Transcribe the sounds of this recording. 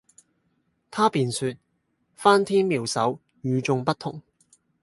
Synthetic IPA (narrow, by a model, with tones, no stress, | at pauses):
t̪ʰaː˥piː˨˧nsyː˧t̚ | faː˥nt̪ʰiː˥nmiː˨wsɐ̰˨˥w | jyː˨˧t͡ʃʊ˧ŋpɐ˥t̚t̪ʰʊ˥ŋ